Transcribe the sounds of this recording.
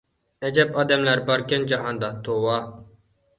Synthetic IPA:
æd͡ʒɛpɑːd̪ɛmlæɾbɑɾkʲɛnd͡ʒɑɦɑnd̪ɑt̪ʰowɑ

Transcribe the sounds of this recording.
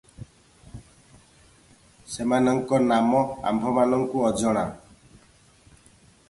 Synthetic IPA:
semanʌŋkɔnamɔa̰mbʱɔmanʌŋkuʌd͡zɔɽ̃a

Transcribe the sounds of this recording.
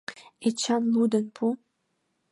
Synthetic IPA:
et͡ɕɑnlˠud̪ənpʰu

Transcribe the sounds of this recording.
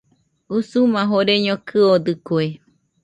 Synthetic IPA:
usumãɦoɾeɲõkʰɨod̪ɨkoe

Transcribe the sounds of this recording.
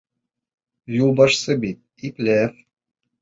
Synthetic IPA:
julˠbɑʃsɤbit̪̚ | iklʲe

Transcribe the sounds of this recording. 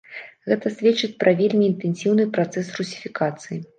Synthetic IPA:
ɣɛt̪ɐsʲvʲet͡ʂɨt͡sʲpɾɐvʲelʲmʲiːnt̪ɛnʲsʲiwnɨpɾat̪sɛsrusʲi̥fʲikat̪sɨji

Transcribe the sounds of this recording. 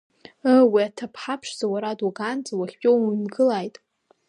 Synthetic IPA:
əwiatʰapʰħapʰʂzawaɾaduɡant͡sʼawaχʲpʲʼonɡʼɨlajtʼ

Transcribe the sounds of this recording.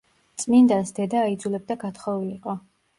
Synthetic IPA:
t̪sʼmind̪asd̪ɛd̪aːid̪zulɛb̚d̪aɡat̪ʰχɔviliqʼɔ

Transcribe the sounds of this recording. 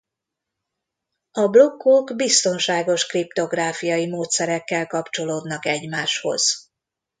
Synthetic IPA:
ɒblo̞kːoɡbist̪o̞nʃaːɡo̞ʃkript̪o̞ɡraːfijɒjimoːt̪sɛɾɛkːɛlkɒpt͡ʃo̞loːd̪nɒkɛɟmaːʃho̞̰z̥

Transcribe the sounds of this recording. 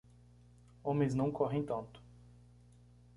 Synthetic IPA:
õmẽj̃znɐ̃w̃kʰɔɦẽj̃t̪ɐ̃nt̪ʊ̥

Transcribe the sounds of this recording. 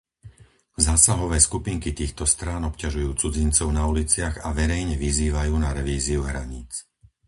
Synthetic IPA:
zaːsaɦɔʋɛːskupiːŋkit̪iːxt̪ɔst̪ɾaːnɔpcaʒujuːt͡sud͡zint͡sɔʊnaulit͡sɪaɣaʋɛɾɛjɲɛʋiziːʋajuːnaɾɛʋiːziuɦɾa̰ɲiːt͡s

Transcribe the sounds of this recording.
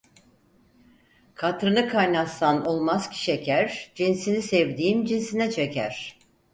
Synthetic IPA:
kʰat̪ɾɯnɯkʰajnasanolˠmaz̥cʰi̥ʃecʰæɾd͡ʒinsinisɛvd̪iːmd͡ʒinsinɛt͡ʃʰecʰæ̰ɾ̥

